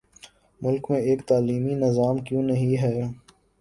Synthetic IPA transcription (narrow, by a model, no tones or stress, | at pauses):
mʊlkmẽeːkt̪aːliːminɪzaːmkjõːnɐɦĩɦɛː